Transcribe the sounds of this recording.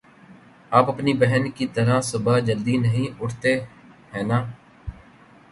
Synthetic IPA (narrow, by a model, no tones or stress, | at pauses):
aːpəpniːbɛɦənkiːt̪əɾãːsʊbaːd͡ʒəld̪iːnəɦĩːʔʊʈʰt̪eː | ɦɛːnãː